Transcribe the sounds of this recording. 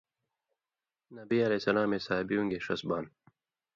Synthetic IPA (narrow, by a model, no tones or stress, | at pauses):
nɐbiːɐleːsɐlaːmesaːbijũŋɡeːʂɐ̰sbaːn